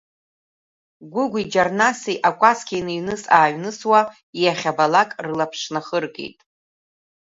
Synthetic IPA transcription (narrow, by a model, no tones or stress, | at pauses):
ɡʷʊɡʷid͡ʒarnasiʔakʷʼaskʰʲijnɨɥnɨsaːɥnɨswa | ijaχʲabalakʼrɨlapʰʂnaχərkʼḛjtʼ